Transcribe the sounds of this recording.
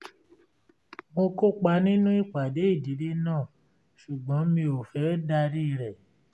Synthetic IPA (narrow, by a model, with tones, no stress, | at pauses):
mo˧ko˦k͡pa˧˦nĩ˦nũ˦i˦˨k͡pa˨de˨˦i˦˨di˨˦de˦nãː˦˨ | ʃu˨ɡ͡bɔ̃˨˦mĩ˧o˨fɛ˨˦da˧ɾi˦˧ɾɛ˨